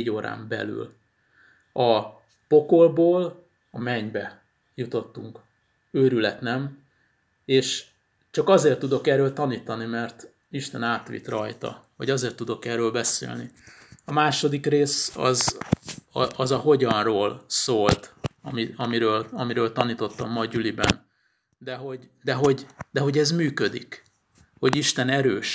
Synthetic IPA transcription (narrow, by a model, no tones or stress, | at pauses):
ɟoːɾa̰ːmbɛ̰ly̰l | ɒ | po̞ko̞lboːl | ɒmɛɲbɛ | jut̪o̞t̪ːuŋk | øːɾylɛt̪nɛm | eːʃ | t͡ʃɒkɒzeːrt̪ːud̪o̞kɛːrøːlt̪ɒniːt̪ɒnimɛrt̪ | iʃt̪ɛnaːt̪ʋḭt̪rɒjt̪ɒ̰vɒ̰ɟɒzeːrt̪ːud̪o̞kɛːrøːlbɛsḛːlni | ɒmaːʃo̞d̪ikreːsɒ̰z | ʔɒzɒho̞ɟɒnroːlsoːlt̪ɒmiɒmiɾøːlɒmiɾøːlt̪ɒniːt̪o̞t̪ːɒmːɒɟylibɛ̰n | d̪ɛɦo̞ɟd̪ɛɦo̞ɟd̪ɛɦoɟɛzmyːkød̪ḭk | ho̞ɟiʃt̪ɛnɛɾøːʃ